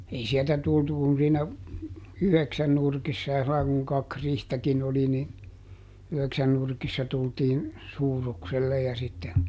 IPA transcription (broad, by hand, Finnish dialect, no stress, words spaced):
ei sieltæ tultu kun siːnæ yheksæn nurkisːɑ jɑ silːɑi kuŋ kɑk rihtækin oli ni yheksæn nurkisːɑ tultiːn suːrukselːe jɑ sitːe